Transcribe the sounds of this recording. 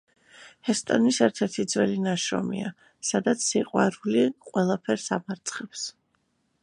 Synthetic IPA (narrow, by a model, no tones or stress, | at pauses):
hɛst̪ʼɔnisɛɾt̪ʰɛɾt̪ʰid̪zwɛlinaʃɾɔ̰mḭa | sad̪at̪sʰsiqʼwaɾuliqʼwɛlˠapʰɛɾsamaɾt̪sʰʼχɛps